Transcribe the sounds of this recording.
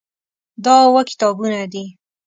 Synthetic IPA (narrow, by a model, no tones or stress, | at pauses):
d̪ɑwəkɪ̥t̪ɑbunad̪i